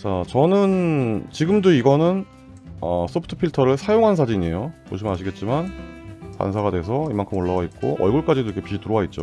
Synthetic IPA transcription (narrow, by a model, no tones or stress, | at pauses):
t͡ɕat͡ɕʌnɯnt͡ɕiɡɯmdoiɡʌnɯn | ʌs͈ʰopʰu̥tʰɯ̥pʰiɭtʰʌɾɯɭsʰajoŋɦansʰad͡ʑiɲie̞̰jomo̰ɕʰimɯnaɕʰiɡe̞t̚t͡ɕ͈imankwa̰nsʰaɡadwe̞s̬ʰʌimankʰɯmoɭːawait̚k͈oʔʌ̰ɭɡuɭk͈ad͡ʑidoikʰepiɕʰitɯɾowait̚t͡ɕ͈o